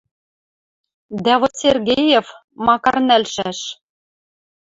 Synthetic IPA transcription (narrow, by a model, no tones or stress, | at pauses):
d̪ævŏsʲerɣʲejef | mɑkɑrnælʃæʃ